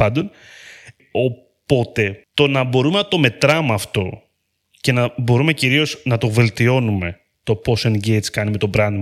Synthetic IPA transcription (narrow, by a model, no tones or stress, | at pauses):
pɐnd̪o̞n | o̞ | po̞t̪e̞t̪o̞nɐbo̞ɾume̞nɐt̪o̞me̞t̪ɾɐmɐft̪o̞ | ce̞nɐbo̞ɾume̞ciɾio̞snɐt̪o̞ve̞lt̪io̞nume̞ | t̪o̞po̞sonɟejt̪skɐnime̞t̪o̞bɾɐnd̪i